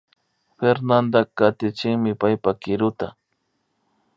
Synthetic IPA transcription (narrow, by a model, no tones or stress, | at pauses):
ɸeɾnand̪akat̪ɪt͡ʃɪŋmɪpajpakɪɾʊt̪a